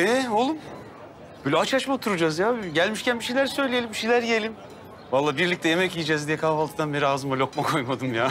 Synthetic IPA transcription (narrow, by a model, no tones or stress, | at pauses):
ɛo̞lˠum | b̥øjlʲɛat͡ʃat͡ʃmat̪ʰuɾud͡ʒazjaːɟælʲmiʃcʰænbiʃejlʲæɾsø̞jlʲijelʲimbiʃejlʲæɾjelʲim | valˠːaːbiɾlʲic̚t̪ʰɛjemɛcijid͡ʒɛːzd̪ijɛkʰavalˠɯd̪anbeɾiaːzɯmalʲo̞kmakʰo̞jmad̪ɯmjaː